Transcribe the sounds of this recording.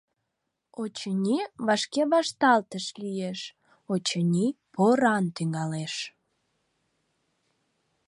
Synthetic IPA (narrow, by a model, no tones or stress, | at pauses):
ot͡ɕənʲiβɑʃkeβɑʃt̪ɑlt̪əʃlijeʃ | ot͡ɕənʲipoɾɑnt̪yŋɡɑleʃ